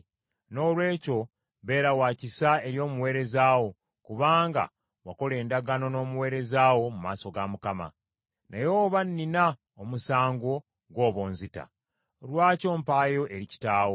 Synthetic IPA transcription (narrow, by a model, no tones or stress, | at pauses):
no̞ːlwe̞ːco̞ | βe̞ːɾawaːcisae̞ɾjo̞ːmuwe̞ːɾezaːwo̞ | kuβaːŋɡa̰ | wako̞le̞ːndaɡano̞no̞ːmuwe̞ːɾe̞zawo̞mumaːso̞ɡamukama̰ | najo̞ːβanːina | omusaːŋɡo̞ | ɡwo̞ːβoːnzita̰ | lwaːco̞ːmpaːjo̞ʔeɾici̥taːwo